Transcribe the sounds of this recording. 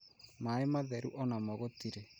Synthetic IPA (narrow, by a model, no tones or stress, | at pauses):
maemaðɛɾṵʔɔnamɔɣotiɾe